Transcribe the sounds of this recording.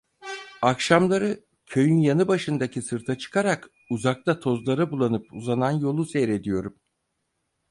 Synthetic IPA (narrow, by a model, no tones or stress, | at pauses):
akʃamlˠaɾɯ | cʰø̞jynjanɯbaʃɯnd̪acʰisɯɾt̪ʰat͡ʃʰɯ̥kʰaɾak | uzak̚t̪at̪ʰo̞zlˠaɾabulˠanɯpuzananjo̞lˠusejɾe̞d̪ijo̞ɾum